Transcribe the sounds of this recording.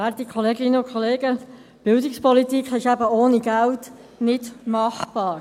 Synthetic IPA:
æːɾtikʰɔleːɡɪnːəʊnkχɔleːɡə | b̥ɪldɪkspɔlitikχɪʃæbəoːniɡælt | nɪdmɑχb̥ɑːɾ

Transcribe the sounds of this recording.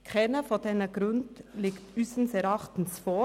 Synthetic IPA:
kʰɛnəfoːdɛnəɡ̥ɾʊndlɪːktyːsn̩sɛɾɑχtn̩sfoː

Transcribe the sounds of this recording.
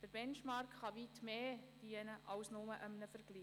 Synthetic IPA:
d̥əɾb̥ɛnʃmɑrkχɑʋitmeːd̥iənəʔɑwsnʊməʔəmnəfəɾɡ̥liː

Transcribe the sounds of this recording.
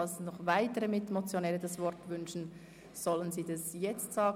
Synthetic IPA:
ɑlsnɔχvaɪtəɾəmɪtmot͡sjonɛːɾədɑsvɔɾtvʏnʃn̩ | z̥ɔlənziːdɑsjɛt͡stsɑːɡ

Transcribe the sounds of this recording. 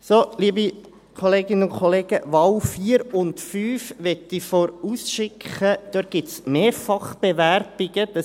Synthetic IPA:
soliəbi | kʰoleːɡɪnənʊnkʰoleːɡ̥əʋɑwfiːəɾʊntfyːfʋɛt̪ifoɾuːsʃɪkχəd̥̪øt̚ɡ̥ɪtsmeːɾfɑχb̥eʋæɾb̥ɪɡəd̥ɑ

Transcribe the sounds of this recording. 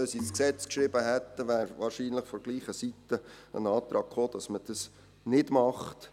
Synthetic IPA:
øsisksɛt͡skʃɾɪbəɦɛt̪ːəʋæːɾvɑːɾʃiːnləχfɔɡ̥liːχəsitəə̰nɑːtɾɑːɡ̥χoːd̥ɑsməd̥ɑs | nɪdmɑχt

